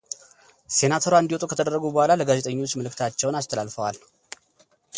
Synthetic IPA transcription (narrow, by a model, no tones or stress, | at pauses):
se̞nat̪ʰoɾwaɨnd̪iwot̪ʼukʰət̪ʰəd̪ərːəɡubəhʷalaləɡaze̞t̪ʼəɲːo̞t͡ʃːməlɨkt̪ʰat͡ʃːɛwnast̪ʰəlalfəwal